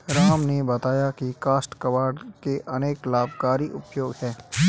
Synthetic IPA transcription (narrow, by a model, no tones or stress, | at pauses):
ɾaːmnebɐt̪aːjakikaːsʈkɐʋaːɾɖkeʔɐneːklaːbʱkaːɾiʔʊpjoːɡhɛː